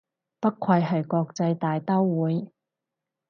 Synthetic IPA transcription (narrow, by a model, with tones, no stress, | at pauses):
pɐ˥kʷʰwɐ˧jɦɐ˨jkɔː˧k̚t͡sɐ˧jt̪aː˨jt̪ɐ˥wwuː˨˥j